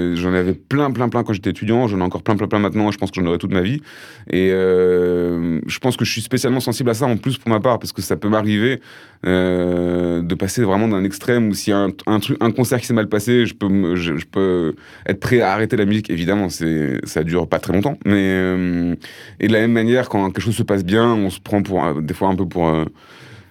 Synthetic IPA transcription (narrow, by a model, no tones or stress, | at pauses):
ʒɑ̃navɛplɛ̃plɛ̃plɛ̃kɑ̃ʒet̪ɛet̪yd̪jɑ̃ʒɑ̃nɛɑ̃kɔʁplɛ̃plɛ̃plɛ̃mɛ̃t̪nɑ̃eʒəpɑ̃skəʒɑ̃nɔʁɛt̪ut̪mavi | eø | ʒəpɑ̃skəʒəsɥispesjalmɑ̃sɑ̃siblas̬aɑ̃plyspuʁmapaʁpaʁsəkəsapømaʁive | ø | d̪əpasevʁɛmɑ̃d̪ɛ̃nɛkst̪χɛmusijaɛ̃ɛ̃t̪χykɛ̃kɔ̃sɛʁkʲi̥sɛmalpaseʒəpømʒəʒəpø | ɛ̰t̪χəpχɛaːʁet̪elamyzikevid̪amɑ̃sɛsad̪yʁpat̪χɛlɔ̃t̪ɑ̃mɛøm | ʔḛd̪əlamɛmːanjɛʁkɑ̃kʲɛlkəʃ̬ozsəpas̬bjɛ̃ɔ̃sə̥pχɑ̃puʁ̰d̪efwaɛ̃pøpuʁø